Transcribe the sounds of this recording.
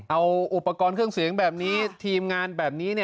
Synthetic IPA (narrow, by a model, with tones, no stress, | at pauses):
ʔa˧wʔu˨˩pːa˧kɔː˧nkʰɯ˥˩əŋsi˩˦ŋbɛː˨˩p̚niː˦˥t̪ʰiː˧mŋaː˧nbɛː˨˩p̚niː˦˥ni˥˩